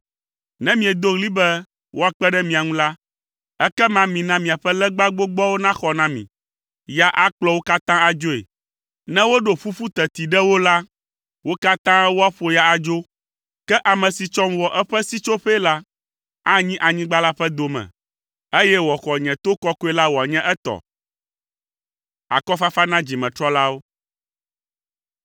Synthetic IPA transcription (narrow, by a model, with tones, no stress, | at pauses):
nɛ̃˦mĩ˨ɛ˨d̪o˦ɣli˦bɛ˦ | wʔo˦a˨k͡pɛ˦ɖɛ˦mĩ˨a˨ŋũ˦la˦ | ɛ˦kɛ˦mã˦mĩ˨nã˦mĩ˨a˨ɸɛ˦lɛ˦ɡ͡ba˦ɡ͡bo˦ɡ͡bɔ˦wo˦nã˦xɔ˨nã˦mḭ̃˨ | ja˨ʔa˦k͡plɔ˦wo˦ka˦t̪ã˦a˨d͡ʒo˦ḛ˨ | nɛ̃˦wo˦ɖo˨ɸu˦fu˦t̪ɛ˨t̪i˨ɖɛ˦wo˦la˦ | wo˦ka˦t̪ã˦wo˦a˦ɸo˨ja˨a˨d͡ʒo˦ | kɛ˦ʔa˨mɛ̃˨si˨t͡ʃɔ˦mwɔ˨ʔɛ˦ɸɛ˦si˦t͡ʃo˦ɸe˦la˦ | a˦ɲĩ˦ʔa˨ɲĩ˦ɡ͡ba˦la˦ɸɛ˦d̪o˨mɛ̰̃˨ | e˦jɛ˦wɔ˨xɔ˨ɲɛ̃˨t̪o˦kɔ˦ko˦e˦la˦wɔ˨a˨ɲɛ̃˦ʔɛ˦t̪ɔ̰˨ | a̰˨kɔ˦fa˦fa˦nã˦d͡ʑi˨mɛ̃˨t̪ɾɔ˦la˦wo˦